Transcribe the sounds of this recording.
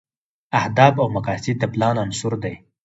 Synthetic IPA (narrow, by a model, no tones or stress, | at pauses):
ahd̪ɑbawmaqɑsɪd̪ːəplɑnansʊɾd̪aj